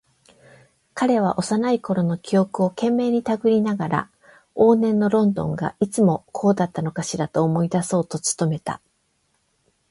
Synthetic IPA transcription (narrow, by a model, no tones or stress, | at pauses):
kaɾe̞β̞aʔo̞sanaiko̞ɾo̞no̞kʲio̞kɯ̟o̞kẽ̞mːe̞ːɲ̟it̪aɡɯ̟ɾʲinaɡaɾa̰ | o̞ːnẽ̞nːo̞ɾõ̞nd̪õ̞̰ŋɡa̰ʔit͡sɨmo̞kʰo̞ːd̪at̪ːano̞kaɕiɾat̪o̞ːmo̞id̪aso̞ːt̪o̞t͡sɨ̥t̪o̞me̞t̪a̰